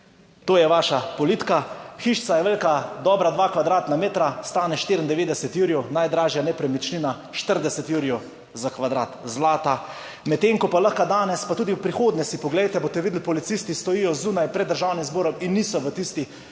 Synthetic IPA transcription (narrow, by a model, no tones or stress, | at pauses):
t̪oːjɛʋaːʃapɔlit̪kaxiʃsajɛʋelʲkad̪ɔbɾad̪ʋaːkʋad̪ɾaːt̪nameːt̪ɾast̪aːnɛʃt̪eːɾənd̪ɛʋeːd̪ɛsɛt̪juɾijɔnajd̪ɾaːʒjanɛpɾɛmit͡ʃnina | ʃt̪əɾd̪ɛsɛt̪juɾijɔ | zakʋad̪ɾa̰ːt̪zlaːt̪a | mɛt̪ːeːŋkɔpaləxkad̪aːnɛspat̪uːd̪iwpɾixoːd̪nɛsipɔɡlɛjt̪ɛboːt̪ɛʋiːd̪əl̩pɔlit̪sist̪ist̪ɔjiːjɔzuːnajpɾɛd̪ːəɾʒaːwnimzboːɾɔminːiːsɔʋət̪ist̪i